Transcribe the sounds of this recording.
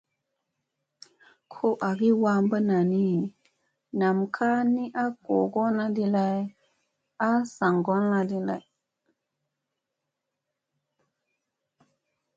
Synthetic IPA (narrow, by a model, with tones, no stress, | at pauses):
kʰo˦ʔa˨ɡi˦wa˦mbə˦na˨ni˦ | na˨mkʰa˦ni˦ʔa˦ko˨ɡo˦na˦di˦la˦j | a˦sa˨ŋɡo˦nla˦di˦la̰˨j